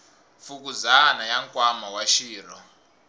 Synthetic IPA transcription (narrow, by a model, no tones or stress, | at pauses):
fukuzanajaŋkʼwamawaʃiːr̤ɔ